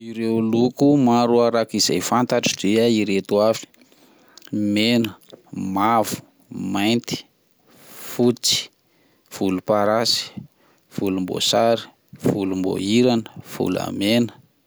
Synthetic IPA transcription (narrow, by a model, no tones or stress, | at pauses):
iɾewlukumaɾuaɾakiza̰jfant̪aʈ͡ʂi̥deaiɾet̪uafi̥ | menəmavu̥ | majnt̪i̥ | fut͡si̥ | v̥ulupaɾasi̥ | v̥ulumbo̰saɾi̥ | v̥ulumbo̰iɾanəv̥ṵla̰menə̥